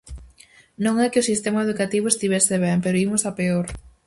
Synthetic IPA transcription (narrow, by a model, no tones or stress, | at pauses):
nõŋɛkeosist̪emaeðukat̪iβ̞ʊest̪iβ̞ɛseβ̞ɛmpeɾoimʊsapeoɾ